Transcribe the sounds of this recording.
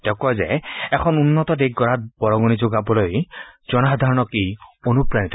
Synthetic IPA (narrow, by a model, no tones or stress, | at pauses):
tɛkɔjzɛ̰ɛkʰɔnunːɔtɔdeɡ̚ɡɔɹat̚b̥ɔɹɔɡonizoɡabɔlojz̥ɔnaxad̪ʱaɹɔnɔkionupɹanitɔ